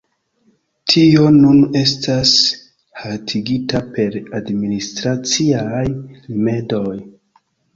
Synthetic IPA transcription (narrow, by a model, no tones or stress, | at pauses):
tʰio̞nune̞s̬tʰas | hatʰiɡitape̞ɾadministɾat͡siajlime̞do̞j